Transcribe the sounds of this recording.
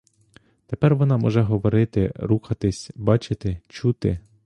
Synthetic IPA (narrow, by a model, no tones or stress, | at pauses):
t̪epɛrʋɔnɑmɔ̰ʒɛɦɔʋɔɾɪt̪ɪ̰ɾuxɐt̪ɪsʲbɑt͡ʃɪt̪ɪt͡ʃut̪ɪ̰